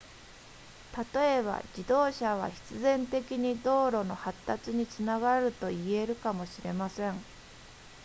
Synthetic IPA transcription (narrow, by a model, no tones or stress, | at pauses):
t̪at̪o̞e̞βa̰d͡ʑid̪o̞ːɕaβ̞a̰çi̥t͡sɨzẽ̞nt̪e̞kʲiɲ̟id̪o̞ːɾo̞no̞hat̪ːat͡sɨɲ̟it͡sɨnaɡaɾɯ̟t̪o̞ie̞ɾɯ̟kamo̞ɕiɾe̞masẽ̞ɴ